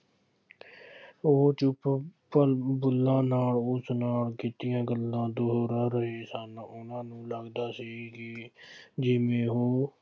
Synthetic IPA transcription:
ot͡ʃʊppəbʊlːãːnaːlʊsnaːlkɪt̪ɪjãːɡəlːãːd̪oɦɾəɾəɦeːsənʊnãːnũːləɡd̪aːsiːkɪ | d͡ʒɪmẽːɦoː

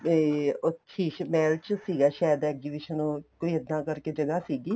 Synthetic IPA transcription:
otʃʰiːmɛːlt͡ʃsiːɡaːʃaːjəd̪ɛːkzibiʃənoːkoːiːəd̪nãːkəɾked͡ʒəɡaːsiːɡiː

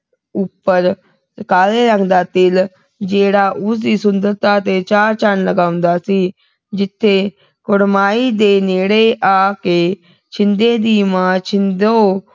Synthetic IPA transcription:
ʊpːəɾ | kaːleːɾəŋd̪aːt̪ɪl | d͡ʒeːɽaːʔʊsdiːsʊnd̪əɾt̪aːt̪eːt͡ʃaːɾt͡ʃanləɡaːʊ̃nd̪aːsiː | d͡ʒɪt̪ʰːeː | kʊɽmaːiːd̪eːneːɽeːʔaːkeː | t͡ʃʰɪnd̪eːd̪iːmãːt͡ʃʰɪnd̪oː

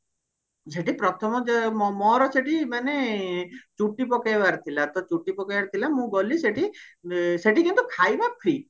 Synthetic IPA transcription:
d͡ʒeʈipɾɔt̪ʰɔmɔd͡ʒɔmɔɾɔt͡ʃʰeʈimane | t͡ʃuʈːipɔkejbaɾt̪ʰilat̪ɔt͡ʃuʈːipɔkeaɾt̪ʰilamũɡɔliseʈi | seʈikĩnt̪ukʰajbapʰɾi

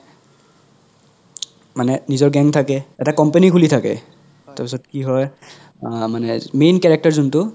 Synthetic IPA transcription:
manɛnizɔɹɡɛŋtʰakɛɛtakɔmpenikʰulitʰakɛ̰ | taɹpisɔt̚kiɦɔj | manɛmenkɛɹɛk̚taɹzuntʊ

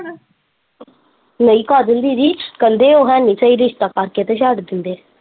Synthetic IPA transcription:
nəiːkaːd͡ʒənd̪iːɾiːkənd̪eːoːɦɛ̃ːnɪt͡ʃəiːɾɪʃt̪aːkaɾkeːt̪eʃ̬aʈd̪ɪnd̪eː

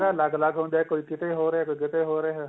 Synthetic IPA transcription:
alaɡlaɡɦõːnd̪aekoːikɪt̪eɦoːɾɦekoːikɪt̪eɦoːɾeɦɛ

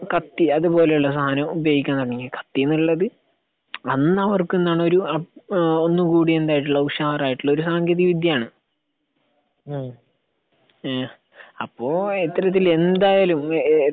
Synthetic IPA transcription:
kɐt̪ːiɐðupo̞ːle̞juɭːɐs̬ɐɦaːnɐmubjɐɡikʲːanːɐɳɳeŋɡilkɐ̥t̪ːienːiɭːɐðɨ | ɐnːɐʋɐrkːuenːaːɳɨo̞ɾuɐo̞nːɨkuːɽie̞nd̪aːjiʈ̬ːuɭːɐukʂaːɐraːjiʈːiɭːɐo̞ɾusaːŋɡɐðiʋid̪ʱjɐaːɳɨ | ɐpːo̞ːet̪ːɐɾɐt̪̬ːile̞nd̪aːjaːlum

